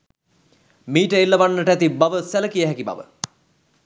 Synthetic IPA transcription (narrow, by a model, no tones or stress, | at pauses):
miːʈəelːɐʋanːəʈəæt̪ibaʋəsæləkijəɦækiba̰ʋə̰